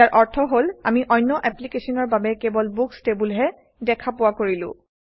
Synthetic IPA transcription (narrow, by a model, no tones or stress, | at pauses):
aɹʔɔɹtʰɔɦola̰miʔɔjnːɔʔɛplikesɔnɔɹbabɛkebɔlbukstebulɦɛ | dɛkʰapʊwakoɹilʊ̰̃